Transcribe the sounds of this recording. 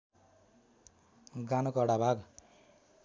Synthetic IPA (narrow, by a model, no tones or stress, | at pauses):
ɡanokʌɽabʱaɡ